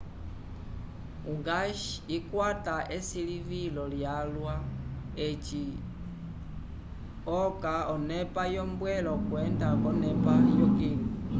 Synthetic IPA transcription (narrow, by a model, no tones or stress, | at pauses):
uŋɡaʃiikwataʔɛsilivilɔljalwa | et͡ʃi | ɔkaɔnɛpajɔmbwɛlɔkwɛndakɔnɛpajɔkiŋi